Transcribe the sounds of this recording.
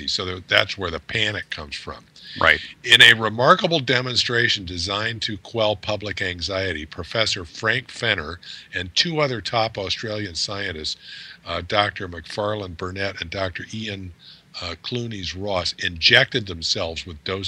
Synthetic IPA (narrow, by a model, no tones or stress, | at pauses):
isoʊðəðætswə˞ðɨpʰænɨkʰʌ̃mz̥fɹʌ̰̃mɹa̰ɪtɪ̃nɨɹɪmɑɹkəbl̩ˠdɛmə̃nstɹ̥eɪʃɨ̃n̩dɨzãɪ̃ntʰɨkʰw̥ɛlˠpʰʌblɨkæ̃ŋzaɪɨɾḭpʰɹ̥ɨfɛsə˞fɹæ̃ŋkfɛnə˞ɨ̃ntʰʉʌðə˞tʰɑpɔstɹ̥eɪlˠjɨ̃nsaɪɨ̃ɾ̃ɨstsdɑk̚tʰə˞mɨkfɑɹlˠə̃nbə˞nɛɾɨ̃ndɑk̚tʰə˞ʔiɨ̃n | kʰl̥ũnizɹɔsɪ̃nd͡ʒɛk̚tɨd̪̚ðɨ̃m̩sɛlˠvzwəðdoʊ